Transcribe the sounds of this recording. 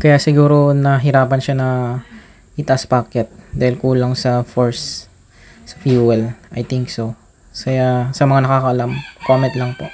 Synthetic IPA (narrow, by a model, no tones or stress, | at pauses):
kɐjaʔsɪɡuːɾo̞nɐɦɪɾaːpɐnʃanɐ | ʔɪt̪ɐʔaspaːkɛt̪̚d̪aːhɪlkuːlɐŋsɐfoɹs | sɐ̥fjuːɛlʔɐjt̪ɪŋkso | kɐjasɐmɐŋanɐkaːkɐʔɐlamkoːmɛnt̪lɐŋpo̞ʔ